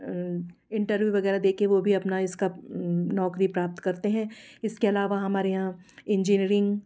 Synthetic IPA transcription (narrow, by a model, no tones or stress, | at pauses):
ɪ̃ɳʈəɾʋjuʋɐɣɛːɾad̪eːkʰeʋobʱiɐpnaɪskanɔːkɾipɾaːp̚t̪kɐɾt̪eɦɛ̃ɪskeɐlaːʋaɦɐmaːɾeɦãː | ɪ̃ɲd͡ʒiːniːɾɪ̃ŋɡ